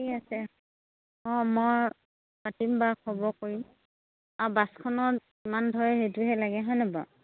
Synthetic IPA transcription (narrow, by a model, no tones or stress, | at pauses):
iasɛ | ɔ̃moj | patimbakʰɔbɔkoɹim | abaskʰɔnɔt | imandʱɔɹɛhetuɦɛlaɡɛɦɔjnɛba̰